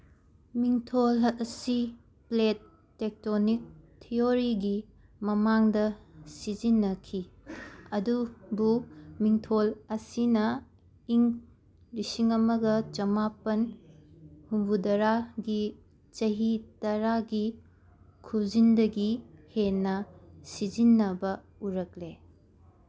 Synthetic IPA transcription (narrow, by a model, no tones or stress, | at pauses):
miŋtʰolsi | pletː | ek̚tonik̚tʰioɾiɡi | mɐmaŋdɐsizinːɐkʰi | ɐdubumiŋtʰolɐsinɐ | iŋ | lisiŋɐmɐɡɐt͡ʃɐmapɐn | humbudɐɾaɡi | t͡ʃɐɦitɐɾaɡi | kʰuzindɐɡihenːɐsizinːɐbɐ | uɾɐk̚le